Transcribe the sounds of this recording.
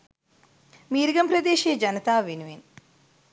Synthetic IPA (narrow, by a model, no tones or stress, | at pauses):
miːɾiɡɐmpɾɐd̪eːʃiɐd͡ʒɐnɐt̪aːʋinuʋiːn